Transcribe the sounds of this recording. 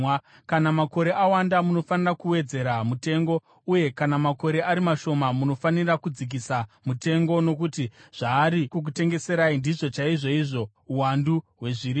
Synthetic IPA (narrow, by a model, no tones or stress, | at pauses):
kanamako̞ɾe̞ʔawandamuno̞fanirakuwe̞d͡ze̞ɾamute̞ŋɡo̞ | uje̞kanamako̞ɾe̞ʔaɾimaʃo̞mamuno̞fanirakud͡zik̬isamute̞ŋɡo̞no̞kutiʐ̥aːɾikuk̬ute̞ŋɡe̞se̞ɾaindiʐo̞t͡ʃaiʐo̞iʐo̞ | uwanduɦwe̞ʐiɾi